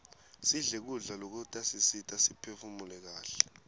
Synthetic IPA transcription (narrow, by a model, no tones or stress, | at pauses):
siɮɛk̬uɮalok̬utʼasisitʼasipʰefumulɛk̬aːɬɛ̥